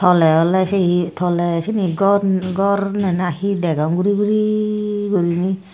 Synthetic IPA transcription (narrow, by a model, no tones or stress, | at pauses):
t̪ʰɔlɛɔlɛset̪ʰɔlɛseniɡɔɡɔɾnɛnahidɛɡaŋɡuɾibuɾiɡuɾini